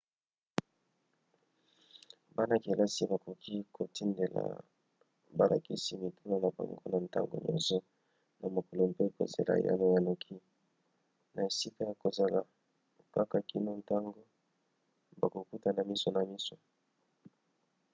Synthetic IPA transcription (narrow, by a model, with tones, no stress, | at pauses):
ba˦na˨ki˨la˦si˦ba˨ko˨kʰi˦kʰo˨ti˦nde˨la̰˨ | ba˨la̰˨ki˦si˦mi˨tu˦la˨na˨ba̰˨ŋɡo˦na˨nta̰˦ŋɡo̰˨ɲɔ̰̃˦nsɔ˦ | na˨mo˨ko˨lo˨m˨pe˦ko̰˨zḛ˨la̰˨ja̰˦no˨ja˨no˨kʰi˦ | na˨e˨si˦ka˦ja˨ko˨za˨la˨ | ka˦ka˦˨ki˦no˦nta˦ŋɡo˦ | ba˨ko˨ku˦ta˨na˨mi˦so˨na˨mi˦so˨